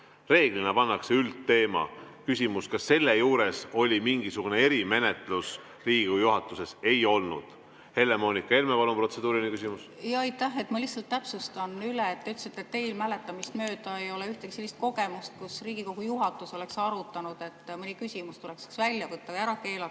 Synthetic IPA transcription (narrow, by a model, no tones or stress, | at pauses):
re̞ːɡ̥linɑpɑnːɑkseylt̪ːe̞ːmɑ̰ | kysʲimuskɑsːe̞lːejuːɾe̞so̞lʲimiŋɡ̥isuɡ̥une̞e̞ɾime̞net̪ˑlus | riːɡiko̥ujuɦɑt̪ːˑuse̞se̞jo̞lnṵd̪̥ | he̞le̞mo̞ːnikːˑɑe̞lmepɑlumpro̞t̪se̞d̪̥uːɾinikysʲimusjɑɑjt̪ːæhe̞t̪mɑlihsɑlt̪ːæpsust̪ɑnyleet̪t̪ːeyt̪ːˑsit̪ːˑet̪ːe̞jlmælet̪ːˑɑmist̪mø̞ːd̪̥ɑejo̞leyht̪e̞kiselːist̪̚ko̞ɡe̞must̪̚kusriːɡ̥iko̞ɡ̥ujuɦɑt̪ːˑuso̞le̞ksɑɾut̪ːˑɑnud̪̥e̞t̪ːˑmɯnikysʲimust̪ule̞ksi̥ksvælʲjɑvɤt̪ːɑæɾɑke̞ːlɑ